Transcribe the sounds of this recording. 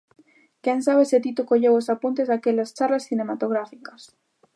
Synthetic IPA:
keŋsaβeset̪it̪okoʎewosapunt̪ezðakelast͡ʃarlasθinemat̪oɣ̞ɾafikɐs

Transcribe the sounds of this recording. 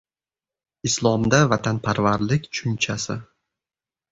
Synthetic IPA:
ɪslˠɒmd̪avat̪ʰanpʰaɾvaɾlɪkʲt͡ʃʰʊnt͡ʃʰasɪ

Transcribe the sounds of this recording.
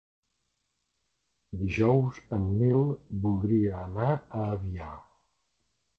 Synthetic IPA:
d̪iʒɔwzəmːilˠbulˠd̪ɾiəːnaəːβia

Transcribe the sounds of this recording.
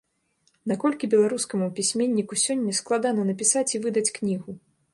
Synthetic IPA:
nakɔlʲkʲibʲɛlˠaɾuskɐmupʲisʲmʲenʲːikusʲɔnʲːɐsklˠad̪anɐnɐpʲisat͡sʲivɨd̪ɐt͡sʲknʲiɣu

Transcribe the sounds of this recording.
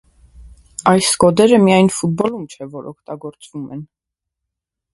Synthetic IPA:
ɑjskɔd̪ɛɾəmijɑjnfut̪̚bɔlumt͡ʃʰɛvɔɾɔkʰt̪ɑɡɔɾt͡svumɛn

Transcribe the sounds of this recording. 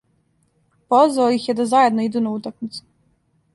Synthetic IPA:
pozʋaojixjed̪azajed̪noid̪unaut̪akmit̪su̥

